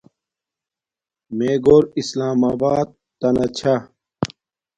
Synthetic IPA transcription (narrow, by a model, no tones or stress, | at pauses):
meːɡoːɾislaːmaːbaːd̪̚ | t̪ɐnɐt͡ɕʰa